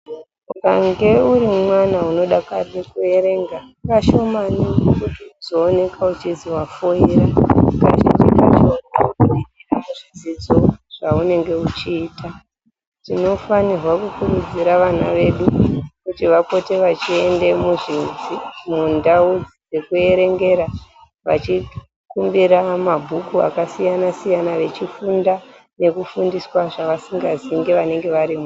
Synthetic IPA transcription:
ukaŋɡe̞uɾimwanauno̞ɗakarekue̞ɾe̞ŋɡa | kaʃo̞manikkutizoːne̞kʰaut͡ʃiziwafoiraka̰ʃḛt͡ʃḭka̰t͡ʃːnukuɗiiramuʐid͡zid͡zo̞ʐ̥aune̞ŋɡe̞ut͡ʃiːta | tino̞fanirwakukurud͡ziɾaʋanaʋe̞ɗukutiʋapo̞te̞ʋat͡ʃie̞nde̞muʐinzimundaud͡zid͡ze̞kue̞ɾe̞ŋɡe̞ɾa | ʋa̰t͡ʃi | kumbiɾamabʱukua̰kasijanasijanaʋe̞t͡ʃifunda | ne̞kufundiswaʐaʋasiŋɡaziŋɡe̞ʋane̞ŋɡe̞ʋaɾimu

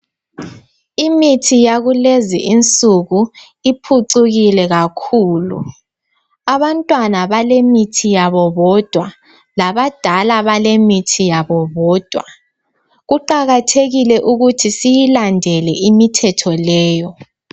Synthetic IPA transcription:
imitʰijaɣulezḭʔint͡sʼuɣu | ipʰuǀuɣilɛɣakʰuːlṵ | aβantʼwanaβalemitʰijaβɔβɔd̥ʱwa | laβad̥ʱalaβalemitʰijaβɔβɔːd̥ʱwa | ɣuǃaɣatʰeɣilɛʔuɣutʰisijilandʱɛlɛʔimitʰɛtʰɔlɛːjɔ

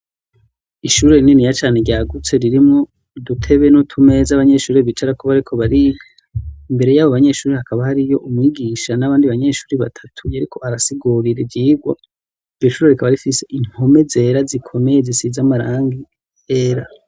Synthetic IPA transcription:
iʃuːɾe̞ninijat͡ʃaːne̞ɡjaːɡut͡se̞ɾiɾimŋo | dutʰe̞βenutʰume̞zaβaɲe̞ʃuːɾeβit͡ʃaɾakoβaɾikʰo̞βaɾiːɡa | imbe̞ɾejaːβoβaɲe̞ʃuːɾehakʰaβahaɾijo̞ʔumŋiːɡiːʃanaβaːndiβaɲe̞ʃuːɾiβatʰḁtʰujaɾikʰo̞aɾasiɡuɾiɾevɟiːɡwa̰ | voʃuːɾeɾikʰaβaɾifise̞ʔiŋ̥ho̞me̞ze̞ɾazikʰo̞me̞jezisizamaɾaːŋɡi | eːɾa

